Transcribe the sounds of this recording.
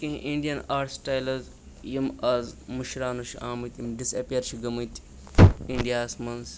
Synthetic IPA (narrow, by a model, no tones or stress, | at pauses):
kĩɦʔiɳɖijɐnaːɾsʈaːjlɐz | jimaːzmuʃɾaːnoʃiʔaːmɨt̪ʲimɖisɐpijɐɾʃiɡɐmɐt̪i̥ | iɳɖijaːsmɐns